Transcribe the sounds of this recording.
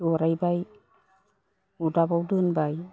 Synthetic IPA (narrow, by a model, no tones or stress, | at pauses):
uɾajbaj | udabawdɯnbaj